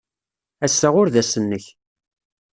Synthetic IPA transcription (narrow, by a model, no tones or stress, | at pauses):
æsːaʁʊɾðæsənːəç